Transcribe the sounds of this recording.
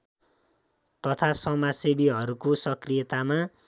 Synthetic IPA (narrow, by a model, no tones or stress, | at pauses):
t̪ʌt̪ʰasʌmasebiɦʌɾukosʌkrijet̪ama